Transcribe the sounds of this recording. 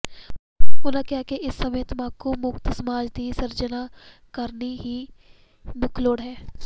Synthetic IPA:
ʊnãkjakeʔɪsːɐmeːt̪maːkomʊkt̪sɐmaːd͡ʒd̪isɐɾd͡ʒənakɐɾniɦi | mʊkʰloːɽɦɛː

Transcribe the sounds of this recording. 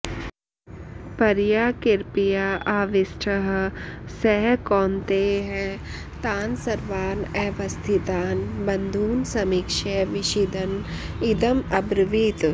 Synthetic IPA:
pɐɾjaːkɪɾpijaːaːʋɪsʈʰəɦsɛɦkɔːnt̪eɦɛ̃ː | t̪aːnsɐɾʋaːnɛːʋɐst̪ʰit̪aːnbɐnd̪ʱuːnsɐmikʃeːʋɪʃid̪ɐnɪd̪əmɐbɾʋiːt̪

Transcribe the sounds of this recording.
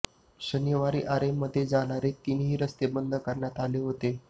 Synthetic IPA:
ɕəniʋaɾḭːʔaɾemːəd̪ʱːjed͡zaɽaɾet̪inɦiːɾəst̪ebənd̪ʱəkəɾɳjat̪aleɦot̪e

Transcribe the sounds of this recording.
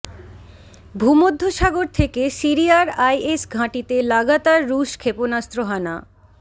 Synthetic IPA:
bʱumod̪ʱːoʃaɡoɾt̪ʰekesiɾiaɾajesɡʱãʈit̪elaɡat̪aɾːuʃkʰeponast̪ɾoɦana

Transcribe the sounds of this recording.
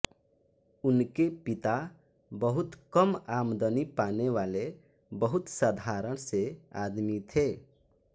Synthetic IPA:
ʊnkepit̪a | bəɦʊt̪kəmamd̪ənipaneʋale | bəɦʊt̪sad̪ʱaɾəɽ̃sea̰d̪mit̪ʰe

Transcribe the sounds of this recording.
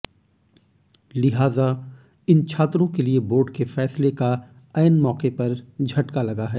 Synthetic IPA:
lɪɦaːza | ɪnt͡ʃʰaːt̪ɾõkelieboːɖkefɛːsleka | ɐːnmɔːqepɐɾd͡ʒʱɐʈkalɐɡaɦɛː

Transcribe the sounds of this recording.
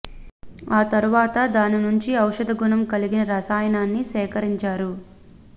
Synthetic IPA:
aːt̪ɐɾuʋaːt̪ɐd̪aːninuɲt͡ʃiɐwʂɐd̪ɐɡunɐmkɐliɡinɐɾɐsaːjɐnaːnːisɛːkɐɾiɲt͡ʃaːɾu

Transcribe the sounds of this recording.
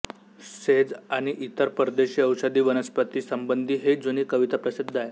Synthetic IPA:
sed͡zaɽ̃iʔit̪əɾpəɾd̪eɕiːəwʂəd̪iːʋənəspət̪iːsəmbənd̪ʱiːɦed͡zuniːkəʋit̪apɾəsid̪ʱːaj

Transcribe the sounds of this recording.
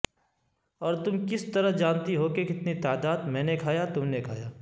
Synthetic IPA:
ɔːɾt̪ʊmkɪst̪ɐɾəɦd͡ʒãːnt̪iɦokekɪt̪nit̪aːd̪aːd̪mɛ̃ːnekʰaːjat̪ʊmnekʰa̰ːjaː

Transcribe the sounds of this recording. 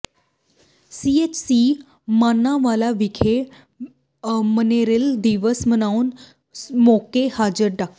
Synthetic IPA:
siet͡ʃsi | maːnːãʋaːlaʋikʰe | məneɾeld̪iʋəsmənaun | mokehaːd͡ʒəɾɖak

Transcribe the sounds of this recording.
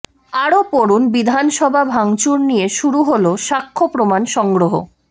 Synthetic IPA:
aɾopoɾunbid̪ʱanʃɔbʱabʱaŋt͡ɕuɾnijeʃuɾuɦoloʃakʰːopɾomanʃɔŋɡɾoɦo̰

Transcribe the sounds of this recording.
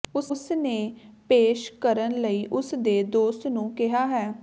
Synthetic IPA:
ʊsʊsneːpeːʃkəɾənləiːʔʊsd̪eːd̪oːst̪nũːkɪɦaːɦɛː

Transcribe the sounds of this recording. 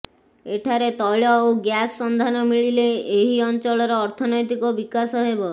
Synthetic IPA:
eʈʰaɾet̪ɔɭɔoɡjasːɔnd̪ʱanɔmiɭileeɦiɔnt͡ʃɔɭɔɾɔːɾt̪ʰɔnɔjt̪ikɔbikasɔɦebɔ

